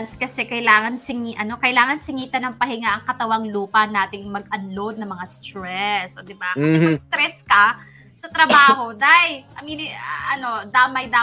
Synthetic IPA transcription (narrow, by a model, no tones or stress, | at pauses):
nskɐsɛkɐɪlaːŋɐnsɪŋiʔɐno̞kɐʔɪlaːŋɐnsɪŋiːt̪ɐnɐŋpɐhɪŋaʔɐŋkɐt̪ɐwɐŋluːpɐnaːt̪ɪŋmɐɡʔɐnlod̪̚nɐŋmɐŋast̪ɾɛsʔod̪ɪbakɐsɛmɐɡ̚st̪ɾɛskɐ | sɐt̪ɾɐbaːho̞d̪ajʔɐminɪʔɐno̞d̪aːmɐjd̪aː